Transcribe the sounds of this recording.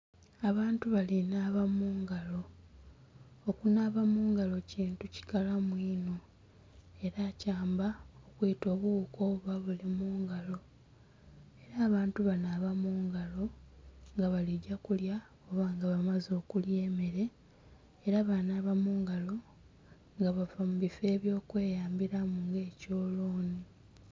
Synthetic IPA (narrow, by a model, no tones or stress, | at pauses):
aβaːntuβalinaːβamuːŋɡalo̞ | kunaːβamuːŋɡalo̞ciːntuci̥kalamwiːno̞ | e̞ɾaːcaːmbaokweːto̞ːβuːko̞ːβuβaβulimuːŋɡalo̞ | e̞ɾaːβaːntuβanaβamuːŋɡalo̞ŋɡaβaliɟːakulja | oβaŋɡaβamazo̞ːkulje̞ːme̞ɾe̞ː | ɾaβanaβamuːŋɡalo̞ | ŋɡaβavamuβife̞ːβjo̞ːkwe̞ːjaːmbiɾamuŋɡe̞ːco̞ːlo̞ːni